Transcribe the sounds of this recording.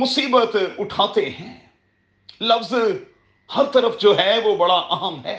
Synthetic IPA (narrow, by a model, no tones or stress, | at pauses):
mʊsiːbət̪ʊʈʰaːt̪eɦɛ̃ː | lɐfz | hɐɾt̪ɐɾəfd͡ʒoːɦɛːʋoːbɐɽaʔɐɦəmɦɛ̰ː